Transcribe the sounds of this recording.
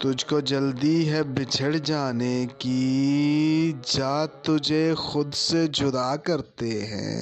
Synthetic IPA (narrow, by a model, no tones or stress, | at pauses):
t̪ʊd͡ʒʱkod͡ʒəld̪iɦɛbɪt͡ʃʰəɽd͡ʒaːneki | d͡ʒaːt̪ʊd͡ʒʱexʊd̪sed͡ʒʊd̪aːkɐɾt̪eɦɛ̰̃ː